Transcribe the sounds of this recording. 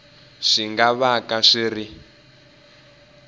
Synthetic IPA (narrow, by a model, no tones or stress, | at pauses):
ʂiŋɡaβakaʂiri